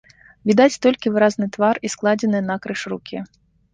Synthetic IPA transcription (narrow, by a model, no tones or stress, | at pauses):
vʲid̪at͡sʲt̪ɔlʲkʲivɨɾaznɨt̪varisklˠad͡zʲɛnɨjɛnɐkɾɨʂrukʲʰi